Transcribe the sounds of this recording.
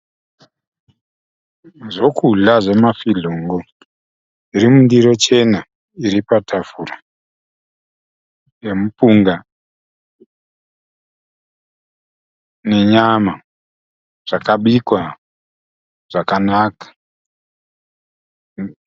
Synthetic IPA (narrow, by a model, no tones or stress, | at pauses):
ʐo̞kuɮaʐe̞mafiɮoːŋɡo̞ | iɾimundiɾo̞t͡ʃe̞na | iɾipatʰafura | je̞mupuŋɡa | ne̞ɲama | ʐ̥akaɓikwa | ʐ̥akanakḁ